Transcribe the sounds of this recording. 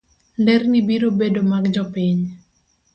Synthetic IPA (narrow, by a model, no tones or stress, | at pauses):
ndɛrnibiɾobedomaɡd͡ʒɔpiɲ